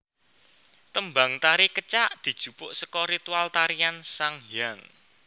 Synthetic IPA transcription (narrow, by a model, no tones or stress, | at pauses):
t̪əmbaŋt̪aɾikət͡ʃaʔd̪̥i̤d̥ʒ̥ṳpʊʔsəkɔɾit̪ualt̪aɾiansaŋjaŋ